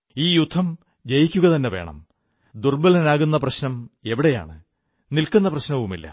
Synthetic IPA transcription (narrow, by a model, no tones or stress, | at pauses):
iːjud̪ʱːɐm | d͡ʑejikʲːuɣɐt̪ɐnːeʋe̞̰ːɳɐ̰m | d̪urbɐlɐnaːɣunːɐprɐɕnɐme̞ʋiɽeja̰ːɳɨ | nilkunːɐprɐɕnɐʋumilːɐ̰